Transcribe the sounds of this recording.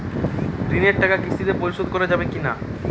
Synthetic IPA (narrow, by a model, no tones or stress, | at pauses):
ɾineɾʈakakɾisʰt̪id̪epoɾiʃod̪koɾed͡ʑabekina